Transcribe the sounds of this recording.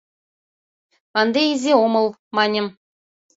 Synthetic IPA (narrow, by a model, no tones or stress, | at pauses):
ɑnd̪eizʲeomɤ̆lˠmɑnʲɤ̆m